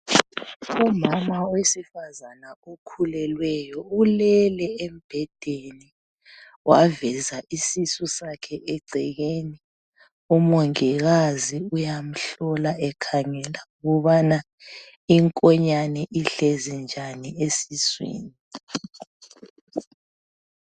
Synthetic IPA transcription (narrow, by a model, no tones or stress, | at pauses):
umamawesifazanaokʰulɛlwɛjɔulɛlɛɛm̩b̥ʱɛd̥ʱeni | wavɛzaʔisisusakʰɛʔɛɡ͡ǀʱɛɣeni | umoŋiɣaziujam̩ɬɔlaʔɛkʰaŋɛlauɣuβana | iŋkʼɔɲanɛʔiɬezɛnd͡ʒʱaniesiswḭːni